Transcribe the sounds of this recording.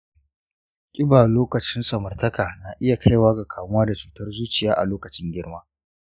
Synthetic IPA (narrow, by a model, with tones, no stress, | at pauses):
kʲʼɪ˦baː˨loː˦kɐ˨t͡ʃɪ˦nsʼɐ˨mɐ˨rtɐ˦kaː˨naː˨ʔɪ˦ja˨kʰa˦jwaː˦ɡa˨kʰaː˨mʊ˦waː˦da˨t͡ʃuː˨tɐ˦rzuː˦t͡ʃɪ˨jaː˦ʔa̰˨loː˦kɐ˨t͡ʃɪ˦ŋɡʲɪ˦ɽmaː˦